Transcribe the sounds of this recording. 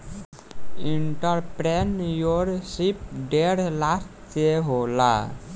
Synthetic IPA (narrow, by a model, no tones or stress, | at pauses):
iɳʈəɾpɾenjoɾsip̚ɖeɾlast | seɦola̰